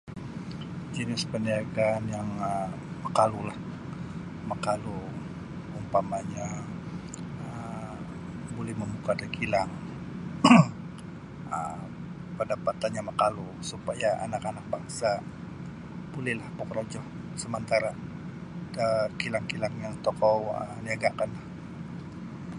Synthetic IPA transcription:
d͡ʒinɪspəndiaɡanjaŋə | məkalulah | məkalu | umpamaɲa | ə | bolɛhməmukadakilaŋ | ə̰ | pəndapat̪anɲaməkalusupajaʔa̰nakanak̚baŋsa | b̥ulɛhlahpɔkɾod͡ʒɔh | səmənt̪aɾa | darkilaŋkilaŋjaŋt̪ɔkɔwə̰niaɡakanlah

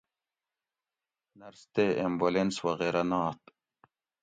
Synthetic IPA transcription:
nɐɾst̪eembolenswɐɣeɾɐnaːt̪

